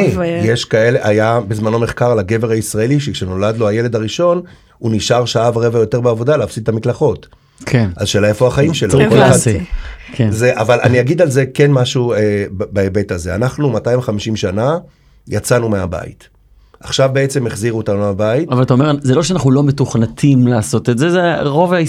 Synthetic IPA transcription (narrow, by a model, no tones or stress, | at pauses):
jeʃkae̞leʔajabezmano̞me̞χkaʁlaɡe̞ve̞ʁaisʁaeliʃekʃeno̞lad̪lo̞aje̞le̞d̪aʁiʃo̞n | uniʃaʁʃaavʁe̞vajo̞te̞ʁbeavo̞daleafsit̪ːamitlaχo̞t | kʰeazʃelaefoaχaimʃelaoaa | kʰenzeʔavalʔa̰niaɡid̪alze̞ke̞nmaʃuebaebe̞tazea̰naχnumataimχamiʃimʃana | jat͡sanumeaba̰ḭt | aχʃavbe̞et͡se̞meχziʁuot̪anueabaitavalt̪aomezelo̞ʃeanaχnulo̞metuχnat̪ʰimlaːso̞t̪etzezeʁo̞vai